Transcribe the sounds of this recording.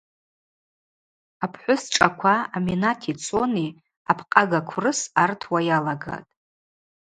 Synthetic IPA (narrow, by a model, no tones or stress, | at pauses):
apʰħʷʊsʈ͡ʂʼakʷʰaːminatʰit͡sʰʼoni | apʰqʼaɡakʷʰrɨsartʰwajalaɡa̰tʼ